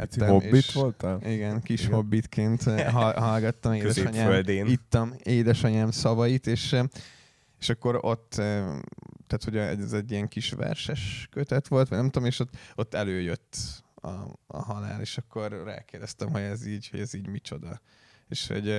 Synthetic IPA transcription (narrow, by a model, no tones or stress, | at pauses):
t̪ːobeːiʃʋolt̪ɑiɡɛnkiʃhobːit̪kʰeːnt̪ɦɒlɦɒlɡɒt̪ːɒmeːd̪ɛɒɲaːøld̪eːnit̪ːɒmeːd̪ɛʃɒɲaːmsɒvɒjit̪eːʃ | eʃɒkːo̞ɾo̞t̪ː | t̪æːt̪ho̞ɟɛzɛɟːijɛŋkiʃʋɛ̰rʃɛʃkøt̪ɛt̪ʋo̞lt̪ʋɒ̰ɟnɛmt̪oomeːʃot̪ːo̞t̪ːɛløːjøt̪ːɒ̰ːɦɒla̰ːleːʃɒkːo̞rra̰ːkeːrd̪ɛst̪ɛmɦo̞ɟɛziːɟho̰ɟɛziːɟmit͡ʃo̞d̪ɒ | ḛːʃho̰ɟ